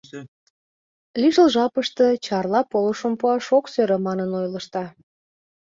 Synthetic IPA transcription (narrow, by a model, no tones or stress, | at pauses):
liʃəlʒɑpəʃt̪ə̆t͡ɕɑrlɑpoləʃəmpuɑʃoksøɾə̆mɑnənojlə̆ʃt̪ɑ